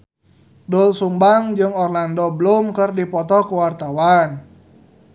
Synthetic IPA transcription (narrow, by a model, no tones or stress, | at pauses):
dʊlsumbaŋd͡ʒɨŋɔrlandɔbəlumkərdipɔt̪ɔkuwart̪awan